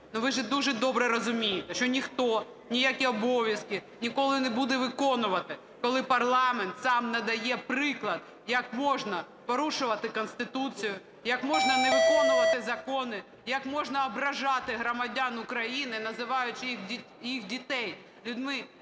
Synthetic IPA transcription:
nʊʋɪʒɛd̪uʒɛd̪ɔbɾɛɾɔzʊmʲijɪt̪ɛʃt͡ʃɔnʲixt̪ɔ | nʲijakʲiɔbɔʋʲjɐskʲɪ | nʲikɔlˠɪnɛbud̪ɛʋɪkɔnʊʋɐt̪ɪ | kɔlˠɪpɐrlˠɑment̪sɑmnɐd̪ɐjɛpɾɪklˠɐd̪̚ | jɐkmɔʒnɐ | pɔɾuʃʊʋɐt̪ɪkɔnst̪ɪt̪ut͡sʲijʊ | jɐkmɔʒnɐnɛʋɪkɔnʊʋɐt̪ɪzɐkɔnɪ | jɐkmɔʒnɐɔbɾɐʒɑt̪ɪɦɾɔmɐdʲanʊkɾɐjinɪnɐzɪʋɑjʊt͡ʃɪixʲi | jixdʲit̪ɛj | lʲʊd̪ʲmɪ

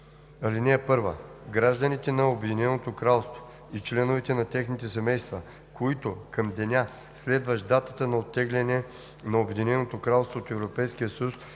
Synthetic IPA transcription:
ɐlinɛɛpɤɾvə̰ɡɾaʒd̪ənit̪ɛnɐobɛd̪inɛnot̪okɾalˠst̪vo̥ | it͡ʃlɛnovɛt̪ɛnɐt̪ɛxnit̪ɛsɛmɛjst̪və | koit̪okɐmd̪ɛnʲa | slɛd̪vəʃd̪at̪ət̪ənɐot̪ːɛɡlʲɛnɛ | nɐobɛd̪inɛnot̪okɾalˠst̪voːt̪ɛvɾopɛjsk̟ijəsəjus

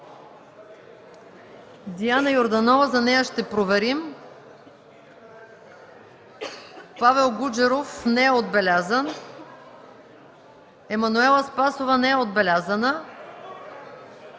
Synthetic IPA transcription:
d̪ianəjoɾd̪ɐnɔvəzɐnɛjəʃt̪ɛpɾovɛɾim | pavɛlˠɡud͡ʒɛɾofnɛɛod̪bɛlʲazən | ɛmɐnuɛlˠəspasovənɛɛod̪̚bɛlʲazənə

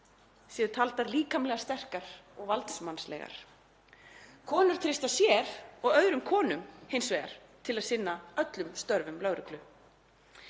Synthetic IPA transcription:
sɛːðʏɾt̪ʰalt̪aɾliːkamlɛɣast̪ɛr̥kaɾ̥ɔɣvalt̪smanslɛ̰ːɣa̰ɾ̥ | kʰɔːnʏɾ̥t̪ʰɾɪst̪asjɛːɾ̥ɔɣœðɾʏmkʰɔːnʏmhejnsvɛːɣa̰ɾ̥ | t̪ʰɪlaðsɪnːaœt̪lʏmst̪œɾvʏmlœɣɾʏklʏ

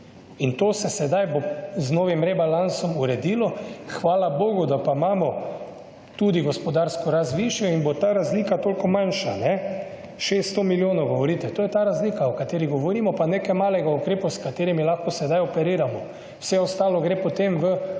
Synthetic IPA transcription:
int̪oːsɛsɛd̪ajboznoːʋimɾɛbalansɔmuɾɛd̪iːlɔxʋaːlaboːɡud̪apamaːmɔ | t̪ud̪iɡɔspɔd̪aɾskɔɾazʋiʃiɛinbot̪aːɾazliːkat̪oːlkɔmanʃanɛ | ʃest̪ɔmiljoːnɔwɡɔʋɔɾiːt̪ɛt̪oːjɛt̪aːɾazliːkaɔkat̪eːɾiɡɔʋɔɾiːmɔpaneːkɛmaːlɛɡaukɾeːpuskat̪eːɾimilaxkɔsɛd̪ajɔpɛɾiːɾamɔ | wsɛɔst̪aːlɔɡɾeːpot̪emʋə

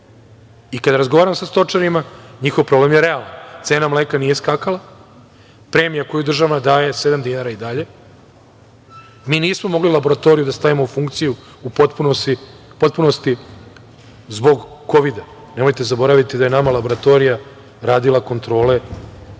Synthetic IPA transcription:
ikad̪aɾazɡoʋaːɾamsast̪o̞t͡ʂaɾimaɲixoʋpɾo̞ble̞mjeɾe̞alant̪se̞ːnamlekaniːje̞skaːkala | pɾemijako̞jud̪r̩ʒaʋnad̪aːje̞sed̪amd̪inaːɾaid̪aʎe̞ | miːniːsmo̞mo̞ɡlilˠabo̞ɾat̪o̞ɾijud̪ast̪aʋimoufuŋkt̪siju | upot̪punosipo̞t̪̚puno̞st̪i | zbo̞ɡko̞ʋid̪a | ne̞mo̞jt̪e̞zabo̞ɾaʋit̪id̪aje̞namalˠabo̞ɾat̪o̞ɾija | ɾaːd̪ilako̞nt̪ɾo̞ːle̞

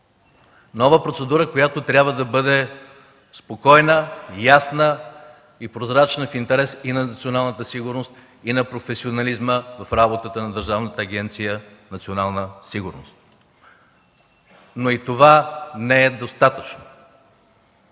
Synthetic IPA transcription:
nɔvəpɾot̪sɛd̪uɾəkojat̪ot̪ɾʲjabvəd̪ɐbɤd̪ɛ | spokɔjnəjasnə | ipɾozɾat͡ʃnəfint̪ɛɾɛsinɐnɐt̪sionalˠnət̪əsiɡʊɾnost̪ | inɐpɾofɛsionɐlizməvɐfɾabot̪ət̪ənɐd̪əɾʒavnət̪əːɡɛnt̪sijə | nɐt̪sionalˠnəsiɡʊɾnost̪̚ | noit̪ovanɛɛd̪ost̪at̪ət͡ʃno̥

